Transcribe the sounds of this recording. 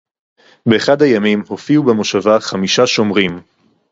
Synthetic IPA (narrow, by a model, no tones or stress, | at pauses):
be̞ːχadhajamimho̞fiubemo̞ʃavaχamiʃaʃo̞mʁim